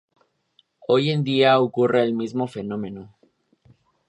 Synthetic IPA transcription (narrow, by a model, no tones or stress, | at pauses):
o̞je̞nd̪iaokurʔe̞ːlmizmo̞fe̞nõ̞mẽ̞no